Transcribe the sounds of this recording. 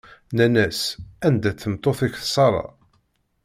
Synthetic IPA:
nænæsænd̪æθəmt̪ˤːoθɪçθsˤɑɾˤɑ̰

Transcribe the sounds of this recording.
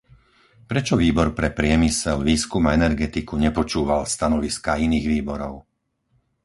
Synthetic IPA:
pɾɛt͡ʃɔʋiːbɔɾpɾɛpɾɪɛmisɛlʋiːskumaɛnɛɾɡɛt̪ikuɲɛpɔt͡ʃuːʋalst̪anɔʋiskainiːɣʋiːbɔɾɔʊ

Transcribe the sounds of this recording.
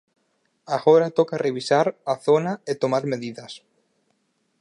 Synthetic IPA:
aɣoɾat̪okareβisaɾaθonaet̪omaɾmeðiðɐs

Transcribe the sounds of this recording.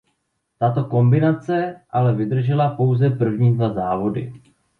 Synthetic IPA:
t̪at̪o̞ko̞mbɪnat͡sɛʔalɛvɪd̪r̩ʒɛlapo̞wzɛpr̩vɲiːdvazaːvo̞dɪ̰

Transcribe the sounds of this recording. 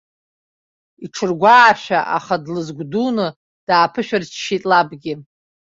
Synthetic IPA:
iʈ͡ʂʰɨrɡʷaːʃᶣaʔa̰χadlɨzɡʷdunɨ | d̥aːpʰɨʃᶣart͡ʃʰʃitʼlabɡʲɪ

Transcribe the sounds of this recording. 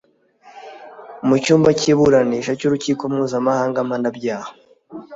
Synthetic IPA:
umucuːmbaciβuɾaniːʃacuɾuciːkomŋuːzamahaːŋɡamanaɟaːho

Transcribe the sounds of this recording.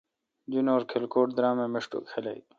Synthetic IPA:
d͡ʑunoːɾkʰelkoːʈd̪ɾãːmẽːmeʂʈo̰kʰelaḭ

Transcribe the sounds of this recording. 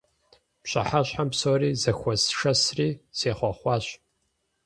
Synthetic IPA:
pɕʼɐ̰ħaɕħampsoːriːzɐxʷɔsʂɐsriːseːχʷɔχʷɑːɕ

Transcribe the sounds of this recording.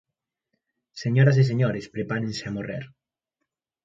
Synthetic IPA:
seɲoɾas̬is̬eɲoɾespɾepaɾẽnseamorḛɾ

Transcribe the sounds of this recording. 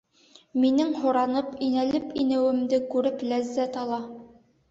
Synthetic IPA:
minɘŋhŏɾɑnɤpinælɘpinɘ̆wɘ̆md̪ɘkʉɾɘplæzːæt̪ɑlˠɑ

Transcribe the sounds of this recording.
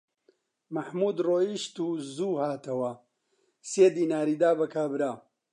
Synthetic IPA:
mɐħmuːd̪roːiʃt̪uːzuːhaːt̪ʰɐwɐ | seːd̪iːnaːɾiːd̪aːbɐkʰaːbɨɾaː

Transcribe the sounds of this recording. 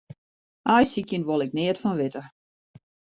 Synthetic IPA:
ʔajsikjənʋolˠɪk̚nɪətfɔnʋɪtə

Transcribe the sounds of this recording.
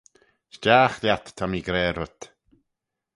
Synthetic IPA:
ʃt͡ʃaːxljat̪ʰːamiɡɾɛːɾʊt̪

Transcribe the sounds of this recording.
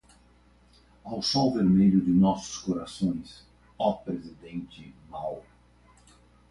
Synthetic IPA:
awsɔwveɾmeʎʊd̪ɪnɔsʊ̥skoɾasõj̃s | ɔpɾezid̪ẽnt͡ʃ̪ɪmaw

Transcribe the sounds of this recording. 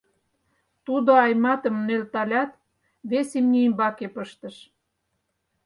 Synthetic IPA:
t̪ud̪oɑjmɑt̪ə̆mnelt̪ɑlʲɑt̪ | βesemnʲiimbɑkepəʃt̪ə̆ʃ

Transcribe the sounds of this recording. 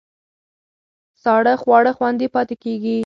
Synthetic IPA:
sɑɽəxwɑɽəxwand̪ipɑt̪ekeɡi

